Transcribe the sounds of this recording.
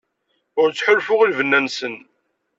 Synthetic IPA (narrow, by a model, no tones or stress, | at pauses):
ʊɾt͡sːħʊlfʊʁilvənːænsən